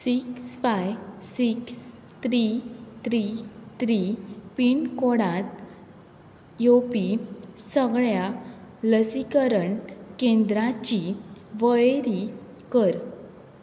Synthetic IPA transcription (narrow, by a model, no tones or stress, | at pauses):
siksfajsiks | t̪ɾit̪ʰɾit̪ɾipiɳkoɽãt̪ | jopisəɡɭjaləsikəɾəɳkend̪ɾat͡ɕiʋəɭeɾi | kəɾ